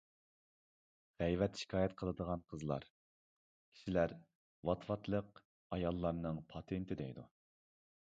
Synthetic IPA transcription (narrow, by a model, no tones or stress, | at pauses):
ʁɛjvɛt̪ʃi̥kʰɑːjɛt̪qʰəlˠɨd̪əʁɑnqʰəzlˠɑ̰ɾ | kʲʰi̥ʃilæɾ | wɑt̪vɑt̪lˠəq | ɑjɑlˠːɑɾnɨŋpʰɑt̪ʰent̪ʰɪd̪ɛ̰jd̪u